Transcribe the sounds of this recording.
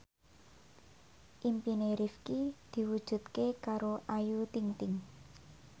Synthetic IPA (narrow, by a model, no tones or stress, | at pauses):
ʔimpineɾifkid̪̥i̤wud̥ʒ̥ṳt̪̚kekaɾoʔajut̪iŋt̪ɪŋ